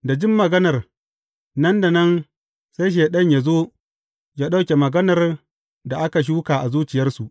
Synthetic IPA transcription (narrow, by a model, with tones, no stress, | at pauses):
da˨d͡ʒɪ˦mːɐ˨ɡɐ˦nɐ˨r | nɐ˦nda˨nɐ˦n | sa˦jʃ̬eː˨ɗɐ˦ɲja˨zoː˦ | ja˦ɗa˦wkʲe˨mɐ˨ɡɐ˦nɐ˨r | da˨ʔa˦ka˨ʃ̬uː˦kaː˨ʔa˨zuː˦t͡ʃɪ˨jɐ˦rsu˨ʔ